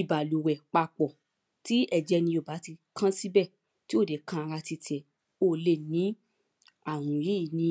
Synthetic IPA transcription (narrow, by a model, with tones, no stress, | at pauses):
i˨ba˨lu˨wɛ˨k͡pa˧k͡pɔ˨ | ti˦ɛ˦˨d͡ʒɛ˧nĩ˧o˨ba˨˦ti˧kʰã˦si˦bɛ˦˨ | ti˦o˦˨de˨˦kã˦a˧ɾa˧ti˧tʰɛ˨ | o˦˨˦le˦˨nĩ˨˦ | a˦˨w̃ũ˨je˦˨nĩ˧